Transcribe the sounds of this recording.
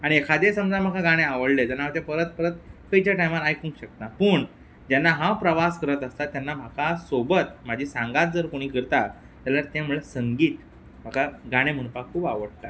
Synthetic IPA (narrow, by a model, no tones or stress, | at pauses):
aɽ̃iekʰad̪esəmd͡zam̤akʰaɡaɽ̃ẽaʋəɽlet̪anːaat̪epəɾət̪̚pəɾət̪kəit͡ɕaʈajmaɾajkũŋkɕək̚t̪ãpəːɳ | d͡ʑanːaɦãwpɾəʋaskəɾət̪əst̪at̪ːjanːam̤akasobət̪m̤ad͡ʑʱiːsãŋɡat̪̚d͡zəɾkoɽ̃iːkəɾt̪a | t̪alaɾt̪ãm̤uɭesəŋɡiːt̪ | m̤akʰaɡaɽ̃em̤əɽ̃pakkʰuːpa̰ʋəɽt̪a